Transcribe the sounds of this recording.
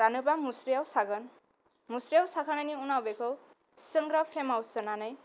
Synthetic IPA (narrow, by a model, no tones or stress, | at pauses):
ɾanupamusɾijawsaɡʌn | musɾijawsakʰʌnʌniunawbeko | sʌŋɡɾʌpʰɾemawsʌnanʌj